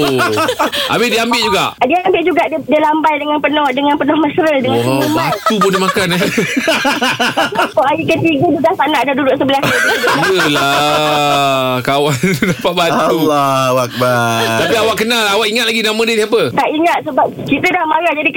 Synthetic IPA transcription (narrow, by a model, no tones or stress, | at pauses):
ʔa̰bɪdiəambɪʔ̚d͡ʒuɡa̰ʔdiəambɪʔ̚d͡ʒuɡaʔddiəlambajdəŋanpənɔhdəŋanpənɔhməsəɾədəŋãmbajt̪ubodihmakanɛ | akɔʔaɾikət̪iɡəduɡasanaʔadadudʊʔsəbəlasaabəla | kawandapaʔbat̪uwak̚bat̪apiawaʔkkənalawakiŋat̪̚laɡinamə̃diət̪iap̬ət̪aʔiŋat̪̚səbap̚kit̪ədahmaɾahd͡ʒadik